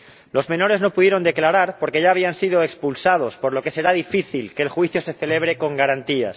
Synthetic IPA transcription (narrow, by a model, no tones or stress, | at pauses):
lo̞zmẽ̞no̞ɾe̞zno̞puðje̞ɾo̞nd̪e̞klaɾaɾpo̞ɾke̞ʝaːβ̞iansiðo̞ekspulsað̞o̞spo̞ɾlo̞ke̞se̞ɾaðifiθilkeːlxwiθjo̞se̞θe̞le̞β̞ɾe̞ko̞ŋɡaɾant̪ia̰s